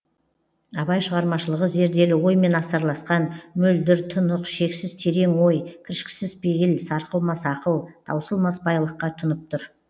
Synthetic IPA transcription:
ɑbɑjʃəʁɑɾmɑʃəlˠəʁəʒe̞ɾd̪e̞lɪwo̞jme̞nɑsɑɾlˠɑsqɑnmʏld̪ɪɾt̪ʰʊnəqʃe̞ksɪz̥t̪ʰe̞ɾe̞ŋwo̞jkʲʰɪɾʃkʲɪ̥sɪzbejɪlsɑɾqəlˠmɑsɑqəlˠd̪̥ɑ̰wsəlˠmɑsbɑjlˠəqːɑt̪ʰʊnəp̚t̪ʰʊɾ

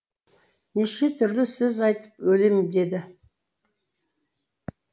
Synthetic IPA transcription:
neʃe̞t̪ʰʏɾlɪsɵzɑjt̪ə̥pwɵlemɪd̪e̞d̪ɪ

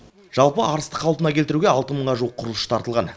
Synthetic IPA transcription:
ʒ̥ɑlˠpəɑɾəst̪əqʰːɑlˠt̪ənɑkʲʰet̪ɪɾuɡʲeɑlˠt̪əməɴʁɑʒuwəqʰːʊɾəlˠəʃə̥t̪ʰɑɾt̪əlˠʁɑn

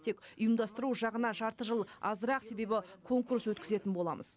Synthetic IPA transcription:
t̪ʰe̞kʊjəmd̪ɑst̪əɾuʒɑʁənɑʒɑɾt̪əʒəlˠɑzəɾɑqse̞be̞bɪkʰo̞ŋkuɾswɵt̪kʲɪze̞t̪ɪnbo̞lˠɑ̰mʔə̰z̥

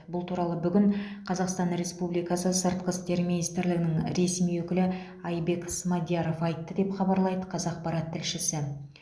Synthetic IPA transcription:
bʊlˠt̪ʰuɾɑlˠəbʏɡʲɪɴqʰɑzɑqst̪ɑnɾe̞spublijkɑsəsəɾt̪̚qəst̪e̞ɾminijst̪ɪɾlɪɡʲɪnɪŋɾe̞smijwɵkʲɪlɪ | ɑjbe̞ksmɑd̪jɑɾo̞fɑjt̪ːəd̪e̞pχɑbɑɾlˠɑjd̪əqʰɑzɑq̚pɑɾɑt̪ʰːɪlʃɪsɪ

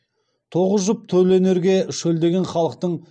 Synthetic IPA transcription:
t̪ʰo̞ʁəzʒəp̚t̪ʰɵlene̞ɾɡʲe̞ʃɵld̪e̞ɡʲe̞nχɑlˠəq̚t̪əɴ

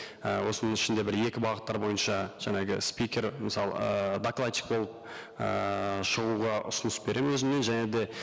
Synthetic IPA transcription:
əwo̞sənəŋɪʃɪnd̪e̞bɪɾje̞kʲɪbɑʁət̪ːɑɾbo̞jənʃɑʒ̥ɑŋɑɡʲɪspijkʲe̞ɾmɪsɑl̰ˠəd̪aklˠat̪ʲi̥k̚bo̞lˠəp̚ | ə̰ʃəʁuʁɑʔʊ̰sənəsbe̞ɾe̞mwɵzɪme̞nʒæne̞d̪e̞

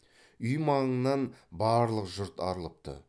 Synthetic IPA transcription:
ʏjmɑʁəɴnːɑnbɑːɾlˠəqʒʊɾt̪ɑ̰ɾəlˠəp̚t̪ə̰

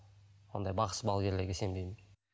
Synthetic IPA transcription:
wond̪ɑjbɑqə̥sbɑlˠɡʲe̞ɾleɾɡʲe̞se̞mbejmɪn

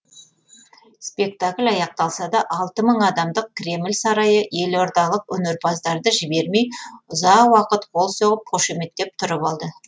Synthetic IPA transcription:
spe̞k̚t̪akʲlʲɑjɑq̚t̪ɑlˠsɑd̪ɑʔɑlˠt̪əməɴɑd̪ɑmd̪əq̚kʰʲɾe̞mɪlʲsɑɾɑjəje̞lo̞ɾd̪ɑlˠəqwɵne̞ɾbɑzd̪ɑɾd̪əʒɪbe̞ɾme̞jʊzɑqwɑqət̪qʰo̞lˠsoʁəp̚qʰoʃeme̞t̪ːe̞p̚t̪ʰʊɾəpɑlˠd̪ə

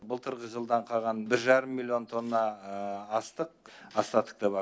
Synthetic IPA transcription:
bʊlˠt̪ʰəɾʁəʒəlˠd̪ɑɴqʰɑʁɑnbɪɾʒɑɾəmːilʲːjo̞nt̪ʰo̞nːɑː | st̪əq̚ɑst̪ɑt̪ə̥q̚t̪ɑbɑ

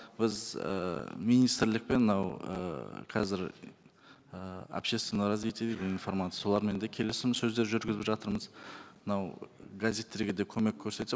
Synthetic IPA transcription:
bɪzə̰mijnijst̪rlɪk̚pe̞nmənɑwə̰qʰɑzɪɾ | əa̰pʃe̞st̪venəɾɑzvijt̪ed̪ek̪info̞ɾmat̪jsolˠɑɾme̞nd̪ekʲʰe̞lɪsɪmɪsɵzd̪e̞ɾʒʏɾɡʲɪzɪpʒɑt̪əɾməzmənɑwɡazʲet̪ːe̞ɾɡʲed̪e̞kʲʰɵme̞kʲʰːɵɾse̞t̪ɪ

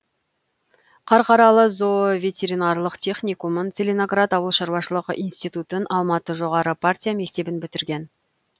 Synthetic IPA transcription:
qʰɑɾqɑɾɑlˠəzovʲe̞t̪ʲe̞ɾinarlˠəqt̪ʲʰe̞χnʲijkumənt̪selʲeno̞ɡrat̪ɑwəlˠʃɑɾwɑʃəlˠəqəʔijnst̪ijt̪ut̪ənʔɑlˠmɑt̪əʒo̞ʁɑɾəpʰartʲijame̞k̚t̪e̞bɪnbʏt̪ɪɾɡʲe̞n

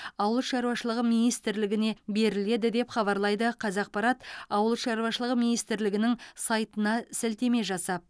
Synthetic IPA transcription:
ɑwəlˠəʃɑɾuwɑʃəlˠəʁəminijst̪ɪɾlɪɡʲɪne̞be̞ɾɪle̞d̪ɪd̪e̞pχɑβɑɾlˠɑjd̪əqʰɑzɑq̚pɑɾɑt̪ɑwəlˠəʃɑɾuwɑʃəlˠəʁəminijst̪ɪɾlɪɡʲɪnɪŋsɑjt̪ənɑsɪlt̪e̞me̞ʒɑsɑp̚

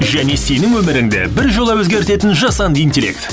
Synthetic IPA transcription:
ʒæne̞senɪŋwɵmɪɾɪŋd̪ḛbɪɾʒo̞lˠɑwɵzɡʲe̞ɾt̪e̞t̪ɪnʒɑsɑnd̪int̪ʲelʲːḛk̚t̪

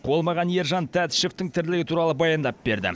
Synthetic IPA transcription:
qʰo̞lˠmɑʁɑnje̞ɾʒɑnt̪ʰæt̪ʃeft̪ɪŋt̪ʰɪɾd̪lɪɡʲɪt̪ʰuɾɑlˠəbɑjɑnd̪ɑp̚be̞ɾd̪ɪ̰

